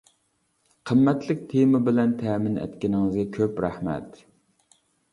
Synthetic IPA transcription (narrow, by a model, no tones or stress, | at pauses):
qʰəmːɛt̪lɪk̚ʲt̪ʰemɨbɪlɛnt̪ʰɛːmɪnɛ̰t̪kʲɪnɪŋɨzɡʲɛkʲʰøpɾæhmɛ̰t̪